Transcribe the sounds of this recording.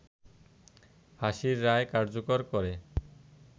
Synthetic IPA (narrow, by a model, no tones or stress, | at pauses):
haʃiɾːaekaɾd͡ʑokoɾkɔɾe